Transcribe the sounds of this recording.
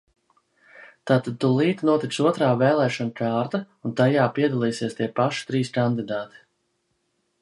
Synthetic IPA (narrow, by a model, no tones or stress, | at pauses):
t̪aːt̪ad̪̚t̪ulˠiːt̪nuɔt̪iksuɔt̪ɾaːvɛːlˠɛːʃɔnkʰaːɾt̪aunt̪ajaːpiɛd̪alˠiːsiɛst̪iɛpaʃi̥t̪ɾiːskand̪id̪aːt̪i̥